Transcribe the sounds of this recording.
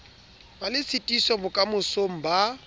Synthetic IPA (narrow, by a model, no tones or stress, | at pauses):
balɪsɪtʼisɔbʊkʼamʊsom̩ba